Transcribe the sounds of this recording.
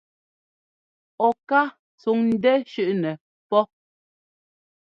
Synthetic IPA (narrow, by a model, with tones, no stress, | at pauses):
ɔ˨ka˦ | t͡su˨˦ŋn̩˦dɛ˦ʃʉ˦ʔnɛ˨ | pɔ˦